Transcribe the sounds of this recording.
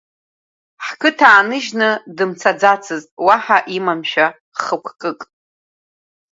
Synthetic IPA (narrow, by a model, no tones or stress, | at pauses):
ħkʰɨtʰaːnɨʒnɨdɨmt͡sʰad͡zat͡sʰɨztʼwaħaʔimamʃᶣa | χəkʷʰkʼɨkʼ